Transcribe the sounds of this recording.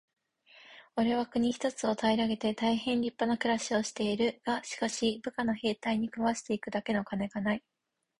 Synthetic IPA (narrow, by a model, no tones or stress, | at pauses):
o̞ɾe̞βakɯ̟ɲ̟içi̥t̪o̞t͡sɨo̞t̪ʰaiɾaɡe̞t̪e̞t̪aiɦẽ̞nɾʲipːanakɯ̟ɾaɕio̞ɕi̥t̪e̞iɾɯ̟ɡ̥aɕi̥kaɕibɯ̟kano̞he̞ːt̪aiɲ̟ikɯβaɕi̥t̪e̞ikɯ̟d̪ake̞no̞kane̞ɡanai